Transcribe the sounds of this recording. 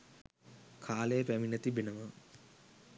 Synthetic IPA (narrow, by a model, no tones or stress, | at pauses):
kʰaːlejəpæminət̪ibenəʋə